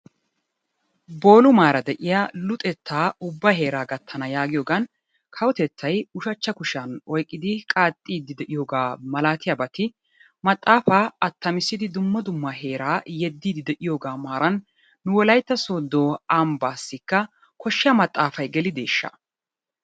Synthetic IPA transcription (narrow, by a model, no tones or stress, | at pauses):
bo̞ːlʊmaːɾɐd̪ɛʔɪjalʊt̪ʼɛt̪ːaːʊbːɐɦe̞ːɾaːɡɐt̪ʰːɐnɐjaːɡɪjoːɡɐn | kʰɐwɔt̪ɛt̪ʰːɐjʊʃɐt͡ʃːɐkʊʃanɔjkʼːɪd̪ɪkʼaːt̪ʼːiːd̪ːɪd̪ɛʔɪjo̞ːɡaːmɐlaːt̪ɪjɐbɐt̪ɪ | mɐt̪ʼːaːfaːɐt̪ʰːɐmɪsːɪd̪ɪd̪ʊmːɐd̪ʊmːɐɦe̞ːɾaːjɛd̪ːiːd̪ɪd̪ɛʔɪjo̞ːɡaːmaːɾɐnː | ʊwɔlɐjt̪ːɐsoːd̪oːambaːsːɪkːɐ | kɔʃːɪjɐmɐt̪ʼːaːfɐjɡɛlɪd̪e̞ːʃːɐ̰